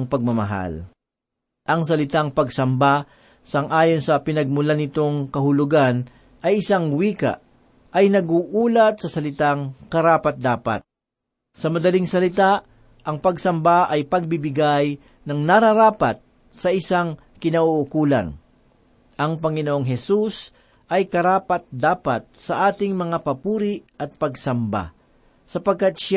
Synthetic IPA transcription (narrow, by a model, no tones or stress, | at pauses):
ŋpɐɡ̚mɐmɐɦa̰l | ʔɐŋs̬ɐlɪt̪aŋpɐɡsɐmba | sɐŋʔaːjonsɐpɪnɐɡ̚mʊlanɪt̪o̞ŋkɐɦʊlʊɡan | ʔɐjʔɪsaŋwiːka̰ʔ | ʔɐjnɐɡuʔuːlɐt̪̚sɐsɐlɪt̪aŋkɐɾaːpɐt̪̚d̪aːpɐ̰t̪̚ | sɐmɐd̪ɐliŋsɐlɪt̪a | ʔɐŋpɐɡsɐmbaʔɐjpɐɡ̚bɪbɪɡaj | nɐŋnɐɾɐɾaːpɐ̰t̪̚ | sɐʔɪsaŋ | kɪnɐʔuʔʊkuːlɐ̰n | ʔɐŋpɐŋɪnoʔoŋɦɛsus | ʔɐjkɐɾaːpɐt̪̚d̪aːpat̪̚sɐʔaːt̪ɪŋmɐŋapɐpuːɾɪʔɐt̪̚pɐɡsɐmba̰ | sɐpɐɡ̚kat̪̚ʃ